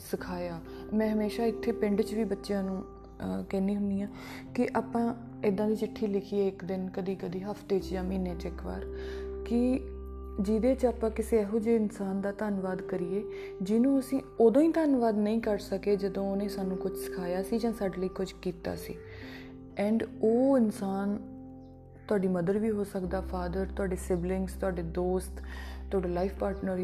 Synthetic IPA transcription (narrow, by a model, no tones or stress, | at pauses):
səkʰaːjaː | mɛ̃ːɦəmeːʃaːɪt̪ʰːeːpɪɳɖt͡ʃʋiːbətːʃjãːnũː | kɛːniːɦʊnd̪iːãː | kɪʔaːpãː | ɪd̪ãːd̪iːt͡ʃɪʈʰːiːlɪkʰiːeːɪkd̪ɪnkəd̪iːkəd̪iːɦəfʰt̪eːt͡ʃjãːmiːneːt͡ʃɪkʋa̰ːɾkɪ | d͡ʒɪd̪eːt͡ʃaːpãːkɪseːɛːɦoːd͡ʒeːɪnsaːnd̪aːt̪aːnʋaːd̪kəɾiːeː | d͡ʒɪnõːəsĩːoːd̪õːĩːt̪ənʋaːd̪nəĩːkəɾsəkeːd͡ʒəd̪õːoːnẽːsaːnũːkʊd͡ʒʰsɪ̥kʰaːjaːsiːd͡ʒãːsaːɖləiːkʊd͡ʒkiːt̪a̰ːsḭː | ɛ̃ːɳɖoːɪnsaːn | t̪ʊaːɖiːməd̪əɾʋiːɦoːsəkd̪aːfʰaːd̪əɾt̪ʊaːɖeːsɪblɪŋɡst̪ʊaːɖeːd̪oːst̪t̪ːʊaːɖeːlaːifʰpaːɾʈnəɾ